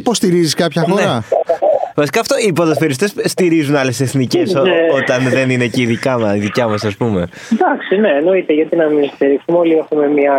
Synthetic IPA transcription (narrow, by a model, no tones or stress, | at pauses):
ipo̞st̪iɾiziskɐpçɐfo̞neɾɐ | vɐsi̥kɐːft̪o̞ipoðespeɾis̬ot̪e̞sst̪iɾizunɐle̞seθnice̞sot̪ɐnðe̞nineceiðicɐmɐiðicɐmɐsɐspume̞ | d̪ɐksine̞ːno̞it̪eʝɐt̪inɐminst̪iɾiksumo̞liexume̞mɲɐ